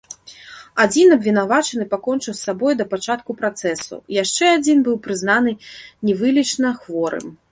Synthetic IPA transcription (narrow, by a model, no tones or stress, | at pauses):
ad͡zʲinɐbvʲinavat͡ʂɐnɨpakɔnt͡ʂɨwsːabɔjd̪ɐpat͡ʂat̪̚kupɾat̪sɛsṵjaʂt͡ʂɛad͡zʲinbɨwpɾɨznanɨnʲɛvɨlʲit͡ʂnɐxvɔɾɨ̰m